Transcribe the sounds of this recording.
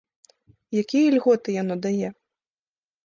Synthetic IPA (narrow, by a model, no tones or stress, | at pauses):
jakʲijɐlʲɣɔt̪ɨjanɔd̪ajɛ